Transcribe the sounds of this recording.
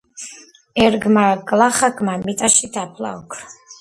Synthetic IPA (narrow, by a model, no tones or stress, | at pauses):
ɛɾɡmaɡlaχaɡmamit̪ʼaʃid̪apʰla̰ɔkʰɾ